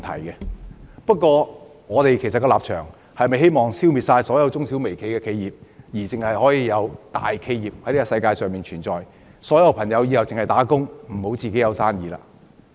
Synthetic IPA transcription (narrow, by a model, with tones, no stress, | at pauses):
t̪ʰɐ̰˨˩jkɛ˧pɐ˥t̚kʷɔː˧ | ŋɔː˨˧t̪e˨jkʰjsɐ˨tkːɐ˧laː˨p̚t͡ʃʰœː˨˩ŋ | hɐ˨jmɐ˨jhe˥jmɔː˨˩ŋsiː˥wmiː˨t̚saː˧jsɔː˨˥jɐ˧wt͡sʊ˥ŋsiː˨˥wme˨˩jkʰe˨jkɛː˧kʰe˨˧jiː˨p̚jiː˨˩t͡sɪ˨ŋhɐ˨jhɔː˨˥jiː˧jɐ˨˧wt̪a̰ː˨jkʰe˨˧jjiː˨p̚hɐ˨˥jni˥ɐ˥sɐ˧jkaː˧jsœː˨ŋmiː˨nt͡ʃʰyː˨˩nt͡sɔː˨j | sɔː˨˥jɐ˧wpʰɐ˨˩ŋjɐ˨˧wjiː˧jɐ˨wt͡sɪ˨ŋhɐ˨jt̪aː˨˥kʊ˥ŋm̩˨˩ho˨˥wt͡siː˨ke˨˥jɐ˨˧wsaː˥njiː˨˧la̰ː˧